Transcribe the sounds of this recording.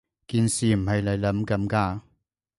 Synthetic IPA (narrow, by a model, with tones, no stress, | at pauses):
kiː˧nsiː˨m̩˨˩ɦɐ˨jle˨˧jlɐ˨˥mkɐ˨˥mkaː˧